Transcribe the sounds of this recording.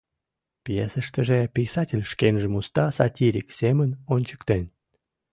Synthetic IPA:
pjesəʃt̪əʒepʲisɑtʲelʲʃkenʒemust̪ɑsɑtʲiɾʲiksʲemənonʲt͡ɕə̥kt̪en

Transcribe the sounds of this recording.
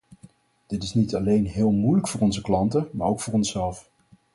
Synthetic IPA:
d̥ɪtɪsnitɑlejnɦɪːlˠmujləkfʊːɹɔnzəklɑntəmaːɹowkfʊːɹɔnsɛlˠf

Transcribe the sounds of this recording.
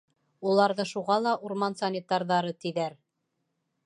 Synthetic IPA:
ulˠɑɾðɤʃuʁɑlˠɑʔuɾmɑnsɐnʲɪt̪ɑɾðɑɾɤt̪iðæɾ

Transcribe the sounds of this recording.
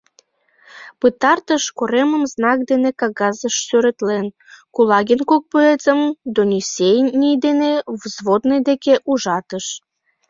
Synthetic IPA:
pɨt̪ɑrt̪əʃkoɾeməmznɑk̚d̪enekɑɣɑzəʃsøɾə̆t̪len | kulɑɣʲenkok̚pøet͡səmd̪onʲisʲejnnʲijd̪enevzβod̪nejd̪ekeʔuʒɑt̪əʃ

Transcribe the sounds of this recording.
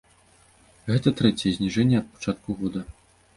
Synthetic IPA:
ɣɛt̪ɐt̪ɾɛt͡sʲɛjɛzʲnʲiʐɛnʲːɛɐt̪̚pḁt͡ʂat̪̚kuɣɔd̪ɐ

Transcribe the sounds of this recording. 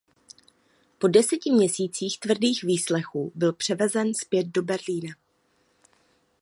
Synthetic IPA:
po̞dɛsɛcɪmɲɛsiːt͡siːxt̪vr̩diːxviːslɛxuːbɪlpr̝̥ɛvɛzɛnspjɛt̪̚do̞bɛɾliːna

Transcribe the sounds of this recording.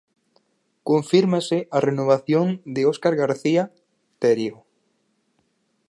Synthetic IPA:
kõɱfiɾmasɪʔarenoβ̞aθjoŋd̪ɪoskaɾɣaɾθia | t̪ɛɾjo

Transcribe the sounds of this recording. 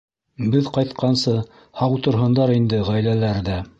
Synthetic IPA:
bɘðqɑjt̪qɑnsɤ | hɑwt̪ŏɾɦɤ̆nd̪ɑɾind̪ɘʁæjlælæɾðæ

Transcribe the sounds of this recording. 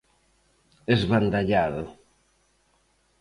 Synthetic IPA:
ezβand̪aʎað

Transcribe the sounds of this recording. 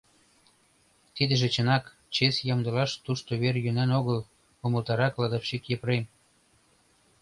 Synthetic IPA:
t̪id̪ə̆ʒĕt͡ɕə̆nɑk | t͡ɕesjɑmd̪ə̆lɑʃt̪uʃt̪oβerjønænoɣəl | oməlt̪ɑɾɑklɑd̪ɑfʃikjəpɾem

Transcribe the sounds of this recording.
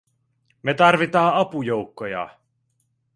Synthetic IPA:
me̞t̪ɑrʋit̪ɑːɑpujo̞wkːojɑ̰

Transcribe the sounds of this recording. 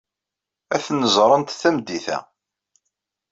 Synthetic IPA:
æθnəzˤɾˤənt̪θæmd̪iθæ̰

